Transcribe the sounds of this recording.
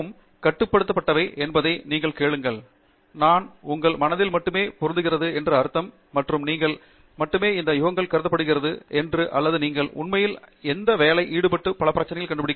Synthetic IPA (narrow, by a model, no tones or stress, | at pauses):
ɯm | kɐʈːɯpːɐɽɯt̪ːɐpːɐʈːɐʋɐɪʔɛnbɐðɐɪniːŋɡɐɭkeːɭɯŋɡɐɭ | naːnʊŋɡɐɭmɐnɐðɪlmɐʈːɯmeːpɔʊɾɯnd̪ɯɣɪrɐðɯɛndrɯɐɾɯt̪ːɐmːɐʈrɯmniːŋɡɐɭ | mɐʈːɯmeːɪnd̪ɐjʊɣɐŋɡɐɭkɐɾɯðɐpːɐɽɯɣɪrɐðɯʔɛndrɯʔɐ̰lːɐðɯniːŋɡɐɭʊ̰nmɐjɪlɛnd̪ɐʋeːlɐɪʔiːɽɯpɐʈːɯpːɐɭɐpːɪɾɐt͡ʃːɐnɐjɪlkɐɳɖɯpɐɽɪkː